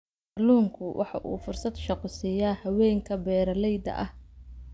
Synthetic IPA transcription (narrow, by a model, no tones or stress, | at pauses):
ɑluːŋkʰʊwʔɑħɑ̰ʔṵːfʊrsɐd̪ʃɑqʊsɪjaːhɐwɛːŋkʰɐbɛːɾɐlɛjd̪ɐ̰ʔɐh